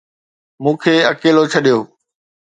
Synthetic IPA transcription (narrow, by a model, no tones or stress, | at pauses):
mũːkʰeːɐkeːlot͡ɕʰɐɗijoː